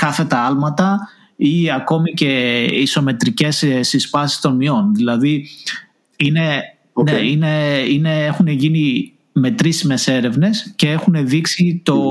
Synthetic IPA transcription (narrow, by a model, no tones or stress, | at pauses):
kɐθe̞t̪ɐɐlmɐt̪ɐ | iɐko̞mice̞iso̞me̞t̪ɾice̞ssispɐsi̥st̪o̞nmio̞nðilɐði | ine̞ | neine̞ine̞exuneʝini | me̞t̪ɾismese̞ɾe̞vne̞sce̞e̞xune̞ðiksit̪o̞